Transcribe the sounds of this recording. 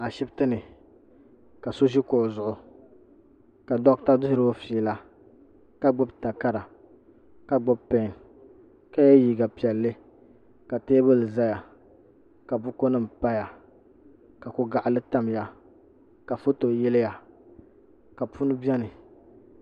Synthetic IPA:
a˨ʃɪ˦btɨ˦nɨ˨ | ka˨so˦ʒi˦koː˨zʊ˨ʔʊ˨ | ka˨dɔ˦ʔta˦dʊ˦hɪ˦ɾɨ˦o˦fi˨la˦ | ka˨ɡ͡bʊ˦bta˨ka˦ɾa˨ | ka˨ɡ͡bɔ˦bpɛ˨ŋ | ka˦jɛ˦jiː˨ɡa˨pi˨ɛ˨lːɨ˦ | ka˨teː˦bɨ˦lɨ˨za˦ja˨ | ka˨bʊ˦ko˦nɨ˦m̩˨pa˦ja˨ | ka˨kʊ˦ɡa˨ʔlɨ˦ta˦m˨ja˦ | ka˨fo˦to˨jɛ˦lɪ˦ja˨ | ka˨pu˦nɨ˦bi˦ɛ˦nɨ˨

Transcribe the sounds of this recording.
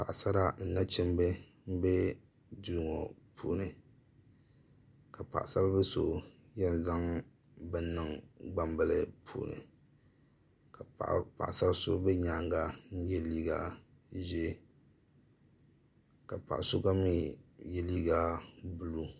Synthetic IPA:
pa˨ʔa˨sa˦ɾa˦n̩˦na˦t͡ʃɛ˦m˦bɛ˦ | m̩˦bɛ˦ | du˨ɾŋɔ˨pʰṵː˦nɨ˨ | ka˨pa̰˨ʔsa˦bbɛ˦so̰˦jɛ˦nza˦ŋ | bɨ˨n˦nːɨ˨ŋɡ͡ba˦mbɛ˦lɨ˦pʰṵː˨nɨ̰˨ | ka˨pa̰˨ʔsa˦bso̰˦bɛ˦ɲaː˨˦ŋɡa˦n̩˦jɛ˦liː˦ɡa˦˨ | ʒɛ˦ | ka˨pa̰˨ʔa˨so˦ɡa˦mi˦jɛ˦liː˦ɡa˦bu˦lu˦

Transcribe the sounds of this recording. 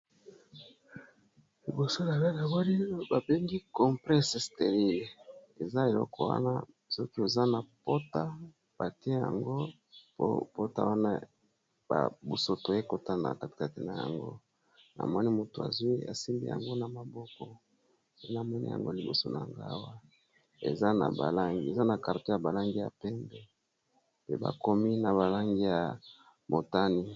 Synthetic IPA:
li˨bo˨so˦na˨ba˦na˨ba˦li˦ba˨be˦ŋɡi˦kɔ˨mplɛ˦se˨ste˨ʁi˦˨le˨za˦e˨lɔ˦kɔ˨wa̰˦na̰˦ | sɔ˦ki˦o˨za˦na˨po˦ta˦ | b̥a˨ti˦e˦ja̰˨ŋɡo˦ | po̰˦po˦ta˦wa˦na˦ | ba̰˨bo˨so˨tje˦ko˨ta˦nda̰˨ka˦ti̥˨ka˨ti˨na˨ja̰˨ŋɡo̰˦ | na̰˨mɔ˦ni˦mo˨to˨a̰˨zwi˦a̰˨si˦mbḭ˦ja̰˨ŋɡo˦na˨ma˨bɔ˦kɔ˦ | e˦na˨mɔ˦nḭ˦ja̰˨ŋɡo˦li˨bo˨so˦na̰˨ŋɡa̰˦wa˦ | ḛ˨za˦na̰˨ba̰˨la˦ŋɡi˦e˨za˦na˨ka˨to˦ja˨ba˨la˦ŋɡi˦ja̰˨pɛ˦mbɛ˨ | pe˦ba̰˨ko˦mi˦na˨ba˨la˦ŋɡi˦ja˨ | mo˨ta˦ni˦

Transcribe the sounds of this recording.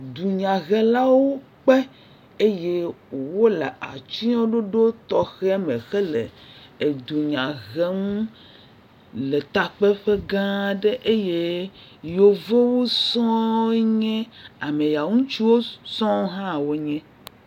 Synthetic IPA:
d̪u˨ɲã˨ɣɛ˦la˦wo˦ | k͡pe˦ | e˦je˦wo˨wo˦le˨a̰˨t͡ʃi˦o˦ɖo˦ɖo˦t̪ɔ˨xɛ˦a˦mẽ˨xe˦lḛ˨e˨d̪u˨ɲã˨ɣe˦m | le˨t̪a˨k͡pe˦ɸe˦ɡã˦ɖe˦ʔe˦je˦ | jo˨ve˦wo˦sɔ̃˦ɲɛ̃˦a˨mẽ˨ja˨ŋũ˦t͡ʃi˦wo˦sɔ̃˦ɦã˦˨wo˦ɲɛ̃˦

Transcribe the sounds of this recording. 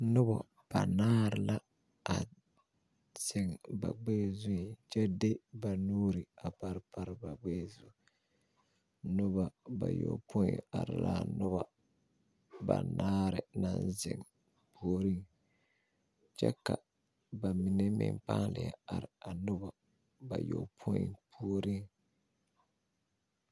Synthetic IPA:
nʊ˦bɔ˨ | b̥a˨naː˦ɾɪ˨la˦ | a˨ | z̥ɪ˨ŋba̰˨ɡ͡beː˦˨zʊ˦i˨t͡ʃɛ˦de˦ba˨nuː˦ɾi˨a˨pa˦ɾpa˦ɾɪ˨ba˨ɡ͡beː˦˨zʊ˨ | nʊ˦ba˨ba̰˨jo̰˨pʰʊ˦˨a˨ɾɪ˨laː˦nʊ˦ba˦ | ba̰˨naː˦ɾɪ˨na˦˨nzɪ̰˨ŋ | pʰu˦o˦ɾi˦ŋ | t͡ʃɛ̰˦ka˨ | ba˨mi˨nɛ˦mɪ̰˨ŋpaː˦lɪ̰˨ja̰˨a˨ɾɪ˨a˨nʊ˦ba˨ | ba˨jo˨pʰo̰˦˨pʰu˦o˦ɾi˦ŋ

